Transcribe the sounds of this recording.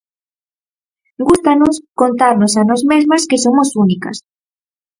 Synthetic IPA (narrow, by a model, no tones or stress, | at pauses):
ɡust̪anoskont̪aɾnosanɔzmezmaskesomosunika̰s